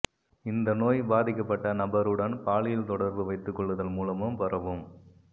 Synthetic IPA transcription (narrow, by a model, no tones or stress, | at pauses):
ɪnd̪ɐnoːjbaːðɪkːɐpːɐʈːɐnɐbɐɾɯɽɐnpaːɭɪjɪlt̪ɔɽɐɾbɯʋɐɪt̪ːɯkːɔɭːɐðɐlmuːlɐmɯmpɐrɐʋɯm